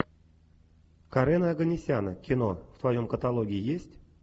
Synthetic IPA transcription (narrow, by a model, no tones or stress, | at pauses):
kaɾɛnəɐɡənʲɪsʲanə̰kʲɪnoft̪vajomkət̪alˠoɡʲiijesʲtʲ